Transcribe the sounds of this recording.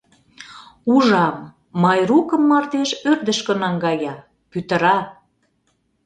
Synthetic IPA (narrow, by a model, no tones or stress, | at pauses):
uʒɑmː | ɑjrukə̆mːɑrt̪eʃørd̪ə̆ʃkə̆nɑŋɡɑjɑ | pyt̪ə̆ɾɑ